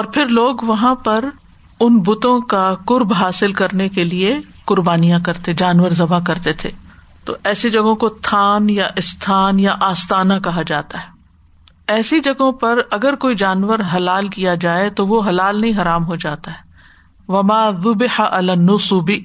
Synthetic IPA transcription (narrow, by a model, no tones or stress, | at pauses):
ɔːɾpʰɪɾloːɡʋɐɦãpɐɾ | ʊnbʊt̪õkakʊɾbɦaːsɪlkɐɾnekelie | kʊɾbaːnijãkɐɾt̪ed͡ʒaːnʋəɾzɐbakɐɾt̪et̪ʰḛː | t̪o̰ʔɛːsid͡ʒɐɡõkot̪ʰaːnjaʔɪst̪ʰaːnjaʔaːst̪aːnakɐɦad͡ʒaːt̪aɦɛː | ɛːsid͡ʒɐɡõpɐɾɐɡəɾkoːid͡ʒaːnʋəɾɦɐlaːlkijad͡ʒaːet̪oʋoɦɐlaːlnɐɦĩɦɐɾaːmɦod͡ʒaːt̪aɦɛː | ʋɐmaːðʊbɪħaʔɐlanːʊsʊbi